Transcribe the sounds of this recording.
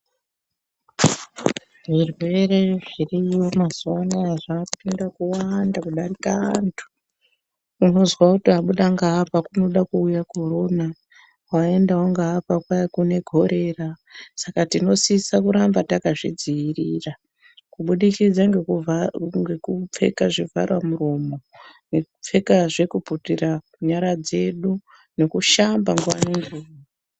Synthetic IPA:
ʐirwe̞reʐirijo̞maz̥uwanaaʐakupindakuwandakuɗarikantʰu̥ | uno̞zwakutiɦaɓuɗaŋɡaːpakuno̞ɗakuujako̞ɾo̞na | wae̞ndawaŋɡaːpakwakune̞ɡʱo̞ɾe̞rasakatino̞sisakuɾambatakaʐḭd͡zijiriːra | kuɓuɗikid͡zaŋɡ | ŋɡekup͡fe̞̰kaʐivʱa̰rwamuromo̞ŋɡeup͡fe̞kaʐe̞kuputirauɲaɾad͡ze̞ɗu | ne̞kuʃambaŋɡuwa̰neŋɡuːʋo

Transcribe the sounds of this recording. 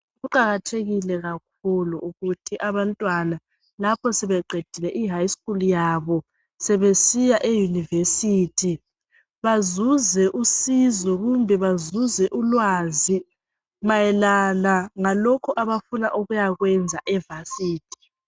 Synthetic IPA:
ɣuǃaɣatʰeɣilɛɣak̚ʰuluʔuɣutʰiʔaβantʼwana | lapʰɔsɛβɛǃʱed̥ʱilɛʔiɦajskʼuljaβɔ | sɛβesijaʔejunivesiːtʰi | βazuzɛʔusizɔɣumbʱɛβazuzɛʔulwaːzi | majɛlalaŋalɔkʰɔʔaβafunaʔuɣujaɣwɛnd͡zʱaʔɛvasiːtʰi̥

